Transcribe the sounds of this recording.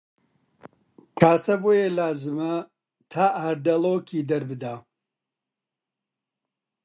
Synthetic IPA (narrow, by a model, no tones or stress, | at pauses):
kʰaːsɐboːjelaːzɨmɐ | t̪ʰaːʔaːɾd̪ɐloːkʰiːd̪ɐɾbɨd̪aː